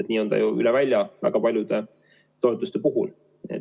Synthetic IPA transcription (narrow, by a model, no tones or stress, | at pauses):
et̪niːo̞nd̪ɑ̰juy̰lɛvælʲjɑvæ̰ɡ̥ɑpɑlʲjud̪̥e̞ | t̪o̞et̪ːˑust̪e̞puɦṵl | ḛ